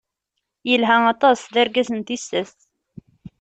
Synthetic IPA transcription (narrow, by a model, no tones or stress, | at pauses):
jəlɦæɑt̪ˤɑsðæɾɡæsənt̪isːəθ